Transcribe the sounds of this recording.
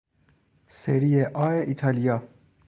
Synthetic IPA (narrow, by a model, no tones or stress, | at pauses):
seɾieʔɒːeʔit̪ʰɑlijɑː